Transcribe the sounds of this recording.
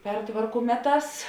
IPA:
ˈpʲɛrtʋɐrkʊ ˈmʲæːˌtɑːs

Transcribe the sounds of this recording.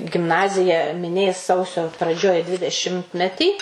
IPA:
ɡʲɪmˈnɑːzʲɪjɛ mʲɪˈnʲeːs ˈsɐʊsʲoː prɐˈd͡ʒʲoːj dʲʋʲɪdʲɛˈʃʲɪmʲtʲmʲɛtʲiː

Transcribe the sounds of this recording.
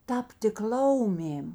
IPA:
ˈtɑːpʲtʲɪk ˈlˠɐʊmʲeːm

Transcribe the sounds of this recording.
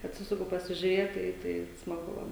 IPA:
ɐtʲˈsʲɪsʊkʊ pɐsʲɪʒʲʊˈrʲeːt ˈtɐɪ tɐɪ smɐˈɡʊ ˈʋɐ

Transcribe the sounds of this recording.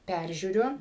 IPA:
ˈpʲærʲʒʲuːrʲʊ

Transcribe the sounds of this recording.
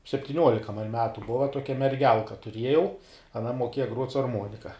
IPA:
sʲɛpʲtʲɪˈnʲuɔlʲɪkɐ mɐn ˈmʲæːtʊ ˈboːʋɐ ˈtuɔkʲɛ mʲɛrʲˈɡʲɛlˠkɐ tʊˈrʲiɛjɛʊ ɐˈnɐ moːˈkʲeːjɛ ɡruɔtʲ sʊ ɐrˈmoːnʲɪkɐ

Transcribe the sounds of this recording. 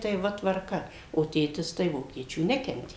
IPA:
tɐɪ ˈʋɐ tʋɐrˈkɐ oː ˈtʲeːtʲɪs tɐɪ ˈʋoːkʲiɛt͡ʃʲuː ˈnʲæːkʲɛnʲtʲeː

